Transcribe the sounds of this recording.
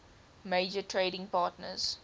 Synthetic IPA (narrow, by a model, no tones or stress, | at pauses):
meːd͡ʒətʰɹeɪɾɪ̃ŋpɑːtnə̰z̥